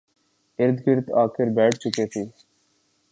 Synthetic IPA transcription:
ɪɾd̪ɡɪɾt̪aːkʰɪɾbɛːʈʰt͡ʃʊkeːt̪ʰiː

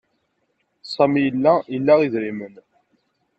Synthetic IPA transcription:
sˤæmijəlːæəlːæʁiðɾimən

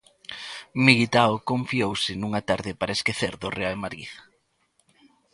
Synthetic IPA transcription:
miɣit̪aokõɱfiowsɪnuŋɐt̪aɾðɪpaɾɐeskeθeɾðʊreaemaɾḭð

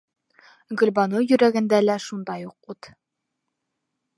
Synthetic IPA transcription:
ɡɵ̆lbɑnujɵ̆ɾæɡɘ̆nd̪ælæʃund̪ɑjuq̚ut̪

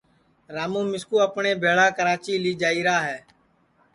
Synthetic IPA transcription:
ɾaːmũːmɪskuːəpɳeːbʱeːɭaːkəɾaːt͡ʃiːliːd͡ʒaːiːɾaːɦɛː

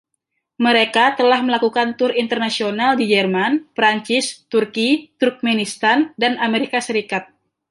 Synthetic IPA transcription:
məɾekat̪əlahməlakukant̪ʊrint̪ərnasionaldid͡ʒɛrmanpɾaɲt͡ʃist̪urkit̪urk̚menist̪andanameɾikasəɾikat̪̚

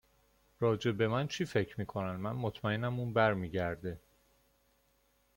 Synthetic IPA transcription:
ɾɒːd͡ʒe̞be̞mænt͡ʃʰiːfe̞cʰɾmiːkʰo̞nænd̪mænmot̪ʰmæenæmunbæɾmiːɟæɾd̪e

